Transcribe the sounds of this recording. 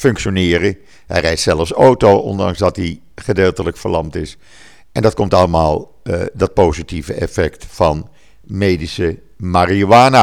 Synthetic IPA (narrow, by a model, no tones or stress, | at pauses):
fɵŋkʃonɪːrə | ɦɛ̰jrɛjtsɛlˠəfsowtoʔɔ̰ndɑ̰ŋzdɑtdi | χədeːlˠtələkfəɹlɑmtɪs | ʔɛndɑt̚kɔmtɑləmaːlˠ | dɑt̚powzitivəɛfɛktfɑn | meːdisə | mariowaːna